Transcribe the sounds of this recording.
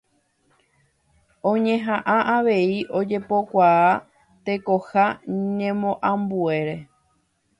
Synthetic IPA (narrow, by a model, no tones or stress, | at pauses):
õ̞ɲẽ̞ɦãʔãʔaʋe̞iʔo̞d͡ʒe̞po̞kʷaa | t̪e̞ko̞haɲẽmõʔãmbue̞ɾe̞